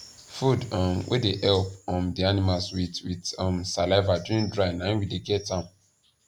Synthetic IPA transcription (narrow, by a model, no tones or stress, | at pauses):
fudɔmwʔḛdeʔɛlp̚ɔ̃mdianimalswitwidɔmsalaɪvaduɹĩŋdɹanãĩnwideɡɛtãm